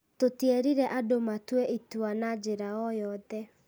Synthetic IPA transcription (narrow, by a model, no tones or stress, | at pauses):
totieɾiɾɛʔadomatwɛʔituanad͡ʒeɾaɔjɔðɛ